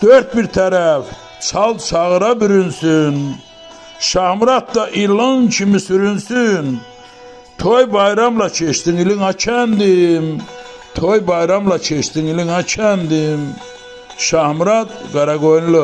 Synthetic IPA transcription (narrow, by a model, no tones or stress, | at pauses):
d̪̥øɾt̪̚biɾt̪ʰæɾæf | t͡sʰɑlˠd̪t͡ʃʰɑɣɯɾɑbyɾynsyn | ʃɑhmɾɑt̪̚d̪ɑʔilɯŋt͡ʃʰimisyɾynsyn | t̪ʰojbɑjɾɑmlɑt͡ʃʰeʃt̪iŋiliŋɑt͡ʃʰænd̪im | t̪ʰojbɑjɾɑmlɑt͡ʃʰeʃt̪iŋiliŋɑt͡ʃʰænd̪im | ʃɑhmɾɑd̪ɡɑɾɑɡojnlɯ